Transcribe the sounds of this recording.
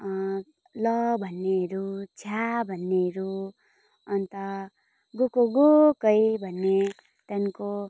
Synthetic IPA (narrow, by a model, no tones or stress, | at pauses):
lʌbʱʌnːeɦʌɾut͡sʰabʱʌnːeɦɾu | ʌnt̪ʌ | ɡokoɡokʌjbʱʌnːe | t̪anko